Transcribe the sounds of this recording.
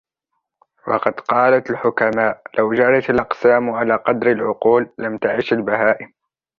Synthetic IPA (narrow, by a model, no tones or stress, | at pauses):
wɑ̰qɑd̪qɑːlat̪alħʊkamaːʔlawd͡ʒalat̪alʔɑqsaːmʕalaːqɑd̪ɾalʕʊquːlːamt̪aʕiːʃalbaɦaːʔɪm